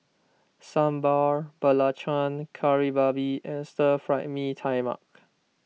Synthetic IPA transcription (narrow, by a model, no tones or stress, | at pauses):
sãmbaɹb̥əlat͡ʃãnkʰaɹibabiʔɛ̃nstəfɹaʔmitʰajma̰k̚